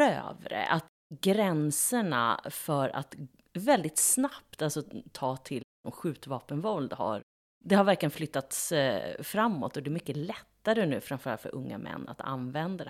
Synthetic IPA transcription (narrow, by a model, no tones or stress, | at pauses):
ø̰ːvɾə̰ʔat̪ | ɡɾɛnsəɳa̰fœɾa̰t̪ | vɛld̪ɪt̪snapt̪alsɔt̪ʰɑːt̪ʰɪl | ɔmɧʉ̟ːt̪vɑːpənvɔld̪ha̰ɾ | d̪ɛhaɾvæɾklɪjənflʏt̪ːat̪sfɾamːɔ̰t̪ːɔd̪ɛɾmʏkːəlɛt̪ːaɾənʉ̟ːfɾamfœɾalfœ̰ɾʔɵ̰ŋːa̰mʔɛ̰nːa̰t̪a̰nvɛnd̪ad̪